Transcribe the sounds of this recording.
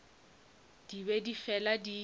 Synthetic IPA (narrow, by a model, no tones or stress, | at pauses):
d̥iβedifɛladi